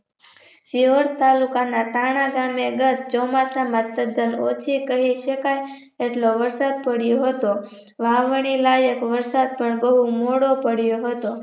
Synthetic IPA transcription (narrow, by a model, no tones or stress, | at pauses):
ʃiɦoɾt̪alukanaʈaɽ̃ãɡameɡət̪t͡ʃɔmasamãt̪ːəd̪əno̰t͡ʃʰikəɦiʃəkaj | eʈloʋəɾsad̪̚pəɽjoɦət̪o | ʋaʋəɳ̃ilajəkʋəɾsad̪̚pəɳɡəɦũmoɽopəɽjoɦət̪o